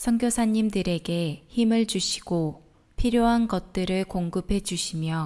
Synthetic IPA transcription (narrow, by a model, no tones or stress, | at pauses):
sʰʌŋɡjosʰaɲimdɯɾe̞ɡe̞çimɯɭt͡ɕuɕʰi̥ɡ̥o | pʰiɾjoɦanɡʌt̚t͈ɯɾɯɭkoŋɡɯpʰe̞d͡ʑuɕʰimjʌ